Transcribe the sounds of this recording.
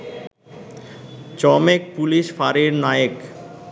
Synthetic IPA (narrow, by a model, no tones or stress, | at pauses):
t͡ɕɔmek̚puliʃfaɾiɾnajek